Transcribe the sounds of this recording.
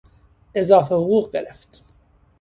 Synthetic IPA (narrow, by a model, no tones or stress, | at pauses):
ʔe̞zɒːfehoɣuːɣɟe̞̰ɾeft̪